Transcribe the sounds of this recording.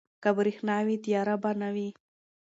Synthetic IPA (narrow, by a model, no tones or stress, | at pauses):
kabɾixnawit̪jɑɾabanawi